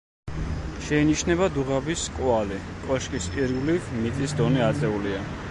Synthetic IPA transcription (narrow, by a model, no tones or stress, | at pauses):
ʃɛiniʃnɛβad̪uʁabiskʼwali | kʼɔʃkʼispʼiɾɡlivmit̪ʼisd̪ɔnɛat̪sʼɛulia